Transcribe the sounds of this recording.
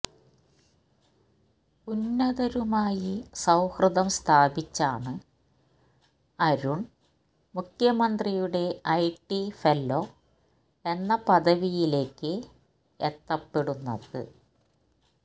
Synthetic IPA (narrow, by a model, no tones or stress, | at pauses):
unːɐðɐɾumaːjisɐwhrɨðɐmst̪ʰaːbit͡ɕːaːɳɨ | ɐɾuɳ | mukʰjɐmɐnd̪rijuɽe̞ɐjʈːifelːo̞ | e̞nːɐpɐðɐʋijile̞ːkːɨ | et̪ːɐpːe̞ɽunːɐ̰ðɨ̰